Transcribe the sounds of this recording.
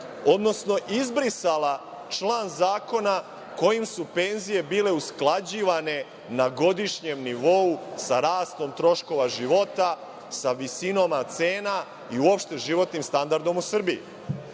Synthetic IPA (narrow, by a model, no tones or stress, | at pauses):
o̞d̪no̞sno̞ʔizbɾisala | t͡ʃlˠaːnzaːko̞na | ko̞jimsupe̞ːnzije̞biːle̞usklˠad͡ʑiːʋane̞ | naɡo̞d̪iʃɲe̞mniʋo̞usaɾaːst̪o̞mt̪ɾo̞ʃko̞ʋaʒiʋo̞t̪a | saʋisino̞mat̪se̞ːna | iuopʃt̪e̞ʒiʋo̞t̪nimst̪and̪aɾd̪o̞musr̩bii